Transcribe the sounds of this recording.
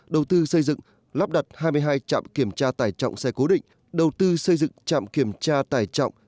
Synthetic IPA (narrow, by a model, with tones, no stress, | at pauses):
ɗə˨˩wt̪ɨ˧sə˧jzɨ̰˧˨ŋ | laː˦˥p̚ɗa˨˩t̚haː˧jmɨ˧əjɦaː˧jt͡ɕa̰ː˧˨mki˧˩əmt͡ɕaː˧t̪aː˧˩jt͡ɕɔ̰˧˨wŋ͡msɛ˧ko˨˦ɗḭ̈˧˨ŋ̟ | ɗə˨˩wt̪ɨ˧sə˧jzɨ̰˧˨ŋt͡ɕa̰ː˧˨mki˧˩əmt͡ɕaː˧t̪aː˧˩jt͡ɕɔ̰˧˨wŋ͡m